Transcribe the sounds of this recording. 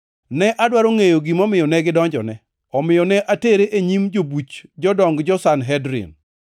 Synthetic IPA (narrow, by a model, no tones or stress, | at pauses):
nɛʔadwaɾoŋejoɡimɔmɪjɔnɛɡɪdɔɲd͡ʒɔ̰nɛ | ɔmɪjɔnɛʔateɾeʔeɲimd͡ʒobut͡ʃd͡ʒɔdɔŋɡd͡ʒɔsanɦɛdɾɪ̰n